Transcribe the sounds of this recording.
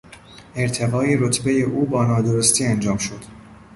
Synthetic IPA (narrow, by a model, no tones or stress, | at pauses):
eɾt̪ʰevɒːje̞ɾot̪ʰbejeʔuːbɒːnɒːd̪oɾost̪ʰiːænd͡ʒɒːmʃo̞d̪̥